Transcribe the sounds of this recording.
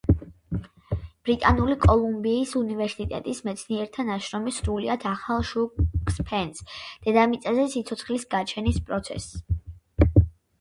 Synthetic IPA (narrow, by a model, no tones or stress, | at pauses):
b̥ɾit̪ʼanulikʼɔlˠumbiːsunivɛɾsit̪ʼɛ̰t̪ʼismɛt̪sʰniɛɾt̪ʰanaʃɾɔmisɾuliad̪ʰaχalˠʃuspʰɛnsd̪̥ɛd̪amit̪sʼazɛsit̪sʰɔt̪sʰχlisɡat͡ʃʰɛnispʼɾɔt̪sʰɛ̰s